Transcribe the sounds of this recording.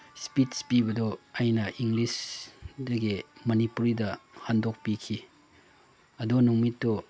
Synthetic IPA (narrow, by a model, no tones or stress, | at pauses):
spitspibɐdɔajnɐʔiŋɡlisdɐɡimɐnipuɾidɐhandɔk̚pikʰi | ɐdunuŋmitːɔ